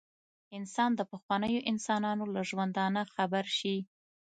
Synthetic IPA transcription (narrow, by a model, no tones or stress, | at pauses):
ɪnsɑnd̪əpəxwɑnəjoʔɪnsɑnɑnolaʒwand̪ɑnaxabaɾʃi